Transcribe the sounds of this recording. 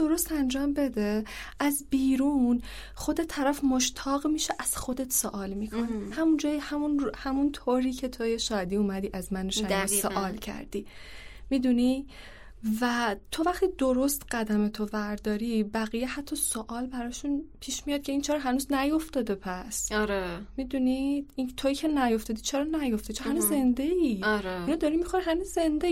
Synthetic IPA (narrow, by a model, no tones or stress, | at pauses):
d̪̥oɾo̞st̪ænd͡ʒɒːmbe̞d̪e̞æzbiːɾuːn | χo̞d̪e̞t̪ʰæɾæfmoʃt̪ʰɒːɣmiːʃeʔæz̥xo̞d̪et̪ʰsoʔɒːlmikʰonehæmund͡ʒɒːjihæmunhæmunt̪ʰoɾiːcʰe̞t̪ʰojeʃɒːd̪iːuːmæd̪iːʔæzmænoʃæisoʔɒːlcʰæ̰ɾd̪̥iːmid̪uni | væt̪ʰo̞væχt̪id̪oɾo̞st̪ɢæd̪æme̞t̪ʰovæɾd̪ɒːɾiːbæɣijehæt̪ʰːɒsoʔɒːlbæɾɒːʃunpʰiːʃmijɒd̪̚cʰe̞int͡ʃʰɛɾɔɦænuznæjo̞ft̪ɒːd̪epʰæsɾemid̪unid̪̥it̪ʰoicʰe̞næjo̞ft̪ɒːd̪it͡ʃʰeɾɒnæjo̞ft̪et͡ʃʰːhænuzze̞nd̪e̞iɾeinɔd̪ɒɾimixoɾiɦænuzze̞nd̪e